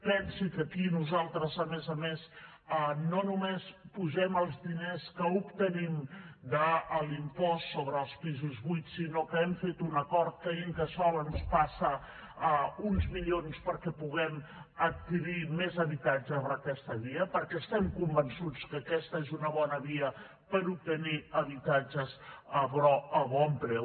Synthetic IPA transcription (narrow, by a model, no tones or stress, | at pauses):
pɛnsikəkinuzalˠt̪ɾəzəmɛzəmes | ənonumespuʒɛməlˠzðineskəupt̪ənimd̪əːlimpɔst̪soβɾəːlˠspizuzβujt̪sinokəɛmfet̪unəkɔɾt̪̚kəiŋkəsɔβənspasə | əunzmiʎonspəɾkɛpuɣɛmət̪̚kiɾimezəβit̪ad͡ʒəβɾəkɛst̪əβiəpəɾkɛːst̪ɛmkumbənsut͡skəːkɛst̪əezunəβɔnəβiə | pəɾup̚t̪əniəβit̪ad͡ʒəzəβɾɔəβɔmpɾɛw